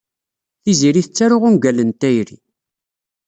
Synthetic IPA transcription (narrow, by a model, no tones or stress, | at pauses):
θiziɾiθət͡sːæɾʊʁunɡælənt̪æjɾḭ